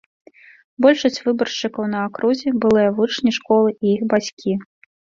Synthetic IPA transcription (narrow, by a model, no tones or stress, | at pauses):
bɔlʲʂɐsʲt͡sʲvɨbɐrt͡ʂɨkɐwnɐakɾuzʲɛbɨlˠɨjɐvut͡ʂnʲiʂkɔlˠɨʔiixbat͡sʲkʲʰi